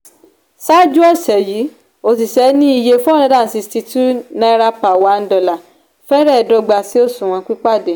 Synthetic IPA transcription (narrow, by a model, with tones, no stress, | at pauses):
sa˦d͡ʒu˦ɔ˦˨sɛ˨ji˨˦ | o˧s̬i˨sɛ˨˦nĩ˦i˧je˧fũ˦ɔ˦˨ɾã˨˦da˦˨si˧sti˧tu˦nã˧˦ɾa˧pa˨wa˨˦n̩˦dɔ˧˨la˨ | fɛ˦ɾɛ˦˧˨dɔ˧ɡ͡ba˧si˦o˦sũ˨w̃ɔ̃˧k͡pi˦k͡pa˦˨de˨